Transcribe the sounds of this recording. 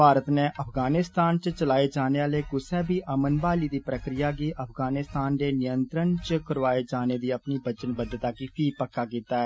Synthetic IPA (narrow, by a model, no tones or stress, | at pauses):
paːɾət̪neːəpʰɡaːnɪst̪aːnt͡ʃt͡ʃəlaːed͡ʒaːneːaːleːkʊsɛːbʱiːʔəmənbaːliːd̪iːpɾəkɾɪjaːɡiːʔəpʰɡaːnɪst̪aːnd̪eːnɪjənt̪ɾənt͡ʃəkəɾʋaːeːd͡ʒaːneːd̪iːəpniːbət͡ʃənbəd̪ət̪aːkiːpʰiːpəkːaːkiːt̪aːɛː